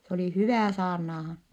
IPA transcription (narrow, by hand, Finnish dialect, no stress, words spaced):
s oli hyʋæˑ sɑːrnɑːhɑn